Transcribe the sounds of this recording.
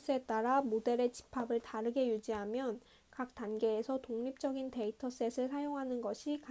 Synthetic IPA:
s͈e̞t͈aɾamode̞ɾe̞t͡ɕi̥pʰabɯɭtaɾɯɡe̞jud͡ʑiɦamjʌn | kak̚t͈anɡe̞ːsʰʌtoŋɲip̚t͡ɕ͈ʌɡinte̞itʰʌs͈e̞sʰɯɭsʰajoŋɦanɯnɡʌɕʰika

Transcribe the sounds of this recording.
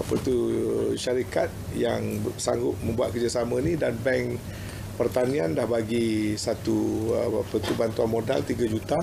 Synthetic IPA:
apət̪uʃaɾikat̪̚ | jaŋsaŋɡʊt̚mə̃mbuat̪̚kərd͡ʒasamə̃nidanbɛŋ | pərt̪anĩandahbaɡisat̪uapət̪ubant̪uanmoda̰lt̪iɡad͡ʒut̪a

